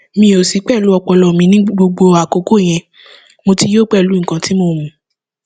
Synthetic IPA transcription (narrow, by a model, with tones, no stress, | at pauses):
mĩ˧˦o˨si˨˦k͡pɛ˦˨lu˨˦ɔ˧k͡pɔ˧lɔ˨mĩ˧nĩ˦ɡ͡bo˧ɡ͡bo˧a˨ko˨˦ko˦˨j̃ɛ̃˧ | mo˧ti˧joː˦˨k͡pɛ˦˨lu˨˦ŋ̩˨kã˨˧ti˦mo˧˨mũ˨˦